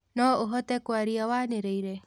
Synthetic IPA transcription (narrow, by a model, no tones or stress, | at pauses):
nɔoɦɔt̪ɛkoaɾiawaːneɾeiɾe